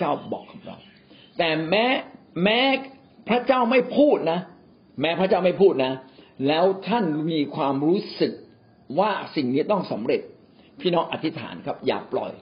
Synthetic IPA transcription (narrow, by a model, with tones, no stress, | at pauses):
t͡ɕaː˥˩wbɔ̰ː˨˩kʰːa˩˦ŋɾa̰˧w | t̪ɛː˨˩mɛː˦˥ | mɛː˦˥ | pʰɾa˦˥t͡ɕaː˥˩wma˥˩jpʰuː˥˩t̪̚na˦˥ | mɛː˦˥pʰɾa˦˥t͡ɕaː˥˩wma˥˩jpʰuː˥˩t̪̚na˦˥lɛː˦˥wt̪ʰa˥˩nmiː˧kʰwaː˧mɾuː˦˥sɯ˨˩k̚ | waː˥˩si˨˩ŋniː˦˥t̪ɔ˥˩ŋsa˩˦mɾe˨˩t̪̚ | pʰiː˥˩nɔː˦˥ŋʔa˨˩t̪ʰːi˦˥t̪ʰa̰ː˩˦nkʰa˦˥p̚ja̰ː˨˩k̚plɔ̰˨˩j